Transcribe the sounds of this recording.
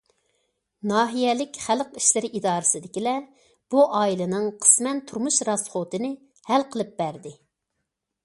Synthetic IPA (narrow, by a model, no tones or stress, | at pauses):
nɑːɦijɛlɪkʲχælqiʃlɪɾɪʔid̪ɑːɾɨsɪd̪ɪkʲilɛ | b̥uʔɑːilˠɨnɨŋqʰə̥smɛnt̪ʰuɾmuʃɾɑsχot̪ɨnɪ | hælqʰəlˠɨp̚bæɾd̪ɪ